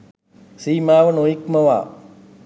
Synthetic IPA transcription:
simaːʋɐnõːikmɐʋa̰ː

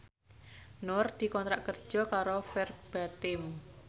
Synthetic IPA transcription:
nɔrd̪̥i̤kɔnt̪ɾaʔkərd̥ʒ̥ɔ̤kaɾofɛrb̥at̪ɪm

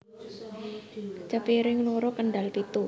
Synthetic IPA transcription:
t͡ʃapiɾɪŋloɾɔkəɳɖalpit̪u

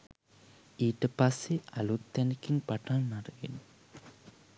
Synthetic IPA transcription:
iːʈəpasːealut̪ːɛnikinpaʈalnaɾəɡen

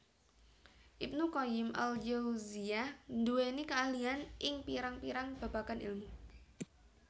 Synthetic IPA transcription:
ʔip̚nukɔɪmʔa̰ld͡ʒawzianduwenikəalianʔɪŋpiɾaŋpiɾaŋb̥a̤bakanḭlmu

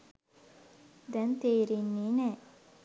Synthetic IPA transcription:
d̪ɛnt̪eːɾinːiːnɛː

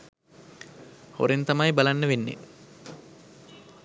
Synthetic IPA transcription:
ho̰ɾent̪ɐmajbalanːəʋenːḛ

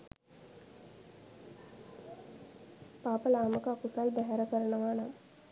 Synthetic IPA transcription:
paːpəlaːməkakusalb̪ɛɦæɾəkəɾənəʋaːnam

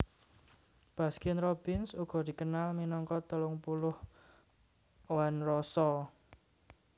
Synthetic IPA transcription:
b̥a̤skɪnrob̥ɪnsuɡ̥ɔ̤d̪̥i̤kənalminɔŋkɔt̪əlʊŋpulʊh | wanrɔsɔ

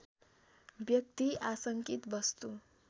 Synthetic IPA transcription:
bjʌk̚t̪iasʌŋkit̪bʌst̪u

